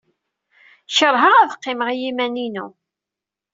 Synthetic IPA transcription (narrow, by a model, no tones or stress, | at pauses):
ʃəɾˤɦəʁæðqːɪməʁijimæninu